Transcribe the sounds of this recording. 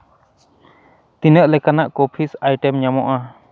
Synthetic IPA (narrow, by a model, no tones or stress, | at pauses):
t̪inəʔlɛkanaʔkopʰisajʈɛmɲamɔʔa